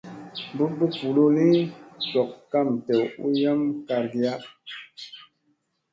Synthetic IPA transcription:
bu˦bu˦pu˨lo˦li˦sɔ˨kːa˦˨mtɛ˨u˦ja˦mka˨ɾɡi˦ja˦

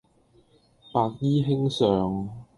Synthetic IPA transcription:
paː˨˧k̚jiː˥ɦɪ˥ŋsœː˨ŋ

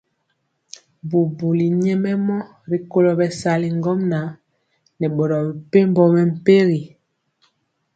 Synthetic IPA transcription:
bu˨bu˨li˨ɲɛ˦mɛ˦mɔ˦ | ɾi˨ko˦lɔ˨bɛ˨sa˨li˨ŋɡɔ˦mna˨˦ | nɛ˨ɓɔ˨ɾɔ˨bɛ˨pe˦m˦bɔ˦mɛ˨m̩˨pe˦ɣi˨

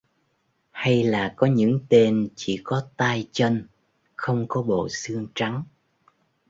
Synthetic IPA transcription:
ha˧jlaː˨˩kɔ˨˦ɲɨ̰˧˥ŋt̪e˧nt͡ɕḭ˧˩kɔ˨˦t̪aː˧jt͡ɕə˧n | xə˧wŋ͡mkɔ˨˦ɓo̰˧˨sɨ˧əŋt͡ɕa˨˦ŋ

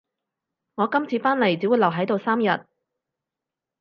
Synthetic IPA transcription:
ŋɔː˨˧kɐ˥mt͡sʰiː˨˧faː˥nle˨˩jt͡siː˨˥wu˨˧jlɐ˨˩wɦɐ˨˥jt̪o˨˧wsaː˥mjɐ˨t̚

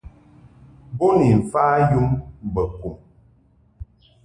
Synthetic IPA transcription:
bo˦ni˨m̩˨faː˦ju˦mbə˨ku˨m

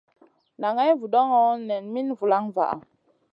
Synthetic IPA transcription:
na˨ŋa˦jvu˨ɗɔ˦ŋɔ˦nɛ˨nmi˦nvu˨la˦ŋva̰˨ʔa̰˨

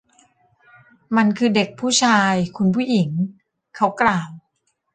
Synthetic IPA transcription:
ma˧nkʰɯː˧de˨˩k̚pʰuː˥˩t͡ɕʰaː˧jkʰu˧npʰuː˥˩ji˩˦ŋ | kʰa˦˥wklaː˨˩w

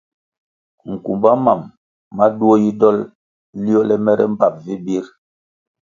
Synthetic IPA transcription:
ŋ̩˨kṵ˨mba˦ma˨mː | a˦du˦o˦ji˦dɔ˦l | li˦ɔ˦lɛ˦mɛ˦ɾɛ̰˦m̩˦ba˨p̚vi˦bi˦ɾ

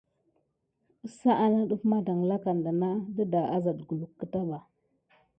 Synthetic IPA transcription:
ə˦sa˦ʔa˦na˦ɗu˦fma˦da˨ŋ˨la˦ka˨nda˨na˦da˦da˨a˦za˨dɡu˨lu˨kːə˦ta˦ba˨

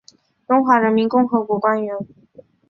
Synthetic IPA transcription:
ʈ͡ʂʊ˥ŋxwa˧˥ɻə˧˥nmi˧˥nkʊ˥ŋxɤ˧˥kwɔ˧˥kwa˥nɥɛ˧˥n

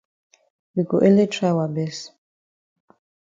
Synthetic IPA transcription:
wi˨ɡɔ˨ʔɛ˦le˦tʰɾa˦wa˨bɛ˦s

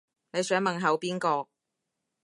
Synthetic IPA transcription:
ne˨˧jsœː˨˥ŋmɐ˨nɦɐ˨˧wpiː˥nkɔː˧

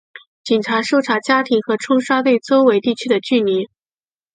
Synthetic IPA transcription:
t͡ɕi˨˩nʈ͡ʂʰa˧˥ʂo˥˩ʊʈ͡ʂʰa˧˥t͡ɕja˥t̪ʰi˧˥ŋxɤ˧˥ʈ͡ʂʰʊ˥ŋʂa˥t̪we˥˩ɪt͡so˥ʊwe˧˥ɪt̪i˥˩t͡ɕʰy˥d̪ə˨t͡ɕy˥˩ni˧˥n

